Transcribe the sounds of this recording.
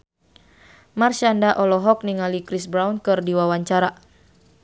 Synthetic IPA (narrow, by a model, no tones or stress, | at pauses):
marʃandaʔɔlɔɦɔk̚niŋalikɾisbɾawnkɨrdiwawaɲt͡ʃaɾa